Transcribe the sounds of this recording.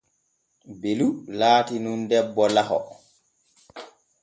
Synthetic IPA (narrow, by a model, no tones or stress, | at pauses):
belulaːtinundɛbːɔlahɔ̰